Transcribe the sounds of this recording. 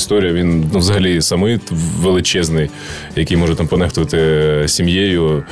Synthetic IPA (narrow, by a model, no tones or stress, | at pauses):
st̪ɔɾʲijɐʋʲinnʊʋzɐɦɐlʲisɐmɪʋelˠɪt͡ʃɛznɪj | jɐkɪjmɔʒɛt̪ampɔnɛxt̪ʊʋɐt̪ɪsʲimjejʊ